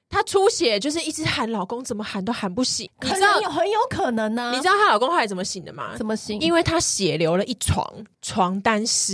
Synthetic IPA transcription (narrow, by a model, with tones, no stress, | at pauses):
t̪ʰa˥ʈ͡ʂʰu˦ɕjɛ˨˩t͡ɕjo˥˧ʊʂɻ̩˥˧i˥˩t͡sɻ̩˧˥xa˧˦nlɑ˨˩ʊko˦ŋt͡sə˨˩nmə˨˦xa˧˥nt̪o˥xa˧˥npu˥˩ɕḭ˨˩˦ŋn̩ʰ˨˧˩ŋjo˨ʊxə˧˦njo˧˦ʊkʰɤ˨˩nə˨˧˦ŋna˦i˨ɻ̩˥ɑ˥˩a˦lɑ˨˩ko˥ŋxwjt͡sə˨˩mə˧˩ɕi˨˩ŋd̪ə̰˦ma̰˧t͡sə˨˩nmə˦ɕi˨˦ŋi˦nwe˥˩ɪt̪ʰa˦ɕjɛ˨˩ljo˧˥ʊlə˨ʔi˥˩t͡sʰwɑ̰˧˥ŋ | t͡sʰwɑ˧˥ŋt̪a˦nʂ̩˧˥